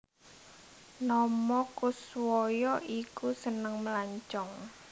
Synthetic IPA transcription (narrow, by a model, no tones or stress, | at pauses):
nɔmɔkuswɔjɔʔikusənəŋməlaɲt͡ʃɔŋ